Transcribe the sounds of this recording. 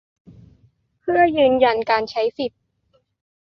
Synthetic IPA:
pʰɯ˥˩ɐjɯː˧nja˧nkaː˧nt͡ɕʰa˦˥jsi˨˩t̪̚

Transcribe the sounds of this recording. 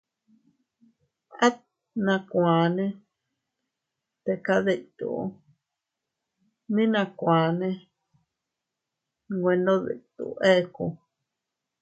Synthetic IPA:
a˦ | nã˧kʷãː˨nẽ˦ | t̪e˧ka˦ði˧t̪ṵ˨˦ | nĩ˦nã˧kʷã˨nẽ˦˧ | ŋɡʷe˧nd̪õ˦ðḭ˨t̪ṵ˨ʔe˦˧ku˧

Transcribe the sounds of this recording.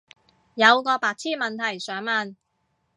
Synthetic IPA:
jɐ˨˧wkɔː˧paː˧k̚t͡sʰiː˥˩mɐ˨nt̪ʰɐ˨˩jsœː˨˥ŋmɐ˨n

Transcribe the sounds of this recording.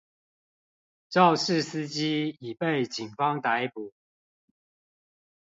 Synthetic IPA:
ʈ͡ʂɑ˥˨ʊʂɻ̩˥˨sɨ˦t͡ɕi˦˥i˨˩pe˥˨ɪt͡ɕi˨˩nfɑ˦ŋt̪a˨˦ɪpu˨˩˦

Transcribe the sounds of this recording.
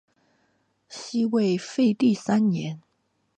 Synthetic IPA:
ɕi˥we˥˩ɪfe˥˧ɪt̪i˥˨sa˥nnjɛ˧˥˦n

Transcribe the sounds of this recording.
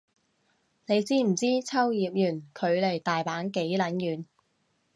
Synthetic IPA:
ne˨˧jt͡siː˥m̩˨˩t͡siː˥t͡sʰɐ˥wjiː˨p̚jyː˨˩nkʰɵ˨˧ɥle˨˩jt̪aː˨jpaː˨˥nke˨˥jlɐ˨˥njyː˨˧n

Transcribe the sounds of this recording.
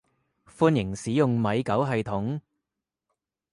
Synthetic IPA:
fuː˥˧njɪ˨˩ŋsiː˨˥jʊ˨ŋmɐ˨˧jkɐ˨˥wɦɐ˨jt̪ʰʊ˨˥ŋ

